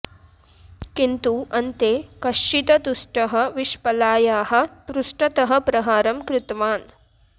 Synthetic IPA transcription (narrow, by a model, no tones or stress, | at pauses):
kint̪uʔɐnt̪eːkɐʂit̪ɐd̪usʈɐɦɐ̆ʋiʃpɐlaːjaːɦɐ̆t̪ɾusʈɐt̪ɐɦɐ̆pɾɐɦaːɾɐmkɾɪt̪ʋaːn